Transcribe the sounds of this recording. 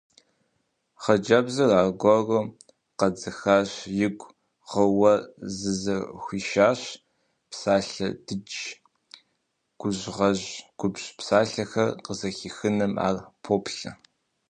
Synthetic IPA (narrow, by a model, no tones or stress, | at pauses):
χɐd͡ʒɐbzɐraːɡʷɔro | qɐd͡zɐxaːɕjɪɡʷʼ | ʁɐwɐzɨzɐxʷiːʃaːɕ | psaːɬɐd̥ɨt͡ʃ | ɡ̥ʷʊʑʁɐʑɡ̥ʷʊbɕpsaːɬɐxɐrqəzɐxiːxɨnɐmʔa̰ːrpʰoːpʰɬɐ̰